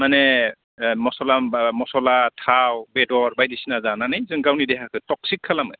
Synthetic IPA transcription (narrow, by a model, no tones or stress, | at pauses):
manɛ | mɔsɔlamɔsɔlatʰawbɛdɔɹbajdisinazananajzɯŋɡawnidɛkʰakʰɯtɔk̚sikʰːalamɯj